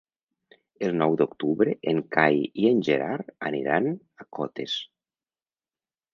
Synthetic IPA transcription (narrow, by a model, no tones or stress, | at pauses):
elˠnɔwd̪okt̪uβɾeʔeŋkajienʲʒeɾaɾanḭɾan | akʰɔ̰t̪es